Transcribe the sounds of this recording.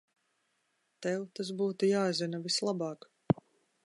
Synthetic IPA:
t̪ɛwt̪as̬buːt̪ujaːzinavislˠabɑːk

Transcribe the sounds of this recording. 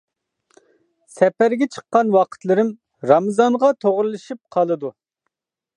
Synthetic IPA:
sɛpæɾɡʲɛt͡ʃʰə̥qːɑnwɑqʰə̥t̪lˠɨɾɪm | ɾɑmɨzɑŋʁɑt̪ʰoʁɾlˠɨʃip̚qʰɑlˠɨd̪u

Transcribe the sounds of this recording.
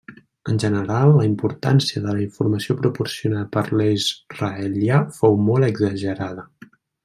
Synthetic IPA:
ənʲʒənəɾalˠːəimpuɾt̪a̰nsiəðələiɱfuɾməsiopɾupuɾsiunaðəpəɾlizrəeɛljafowmɔlˠəɡzəʒəɾaðə

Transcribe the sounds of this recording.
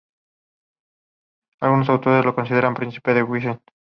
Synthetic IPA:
alɣunosawt̪o̞ɾezlo̞ko̞nsiðeɾampɾin̟θi̥pe̞ðeɣwis̬en

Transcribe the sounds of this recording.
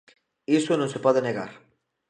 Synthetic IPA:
isonõŋsepɔðeneɣa̰ɾ

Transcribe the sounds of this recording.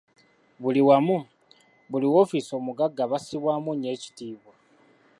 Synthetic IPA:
βuliwamu | βuliwo̞fiso̞ːmuɡaɡːaβasiβwaːmune̞ːci̥tiːβwa

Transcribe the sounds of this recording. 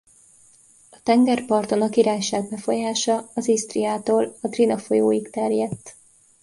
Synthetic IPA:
ɒt̪ɛŋɡɛrpɒrt̪o̞nɒkiɾaːjʃaːɡ̚bɛfo̞jaːʃɒɒzist̪riaːt̪oːlɒd̪rinɒfo̞joːjikt̪ɛrjɛt̪ː

